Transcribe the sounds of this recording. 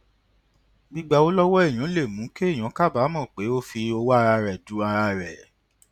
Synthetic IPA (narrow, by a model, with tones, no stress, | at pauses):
ɡ͡bi˦ɡ͡ba˧˦o˦lɔ˦wɔ˦ɛ˦˨j̃ã˨˦le˦˨mũ˨˦ke˦e˦˨j̃ã˨˦ka˦˨ba˨˦mɔ̃˦˨k͡pe˨˦o˦fi˧o˧wa˦˧ɾa˧ɾɛ˨du˨˦a˧ɾa˧ɾɛ˨